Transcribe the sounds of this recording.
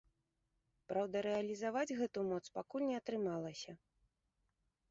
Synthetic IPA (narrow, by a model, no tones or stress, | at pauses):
pɾawd̪ɐɾɛɐlʲizavad͡zʲɣɛt̪umɔt̪spakulʲnʲɛɐt̪ɾɨmalˠɐsʲɐ